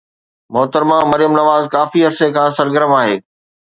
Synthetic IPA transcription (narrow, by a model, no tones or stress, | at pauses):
mɔɦt̪əɾmãmɐɾijəmnɐʋaːzkaːfiɦɐɾsekʰãːsɐɾɡəɾəmaːɦeː